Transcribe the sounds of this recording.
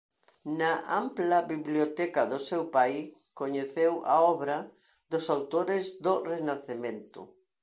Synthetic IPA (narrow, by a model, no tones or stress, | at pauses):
nɐʔamplɐβiβljot̪ɛkɐðʊsewpaj | koɲeθewʔa̰ɔβɾɐ | d̪ʊsawt̪oɾɪzðorenaθemẽnt̪ʊ̰